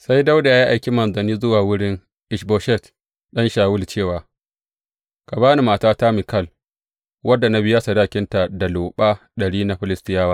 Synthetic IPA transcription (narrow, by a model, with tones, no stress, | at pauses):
sa˦jda˦wda˨ja˦ja˦ʔa˨jkʲi˦mɐ˨nzɐ˨niː˦zʊ˦waː˨wʊ˦ɽɪ˦ŋ | ʔɪ˨ʃboː˨˦ʃɛ˦˨t | ɗɐ˦nʃaː˨wʊ˦lt͡ʃeː˦˨waː˨ | ka˨baː˦ni˨maː˨taː˦ta˦mi˨kɐ˦l | wɐ˦dːa˨na˦bɪ˦jaː˦sa˨daː˦kʲɪ˦nta˨da˨loː˨ɓaː˦ | ɗɐ˨ɽiː˦na˦ɸɪ˦lɪ˦stɪ˦jaː˦waː˦